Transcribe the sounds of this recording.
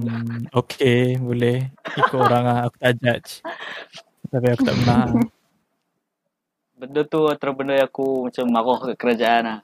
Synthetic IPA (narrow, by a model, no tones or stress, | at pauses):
okʰebolɛhikooɾaŋahaku̥t̪ad͡ʒat͡ʃ | t̪apiaku̥t̪a̰ʔmənaa | bəndot̪uat̪əɾəbəndojakumat͡ʃamːaɣɔhkaʔkəɾad͡ʒaʔanah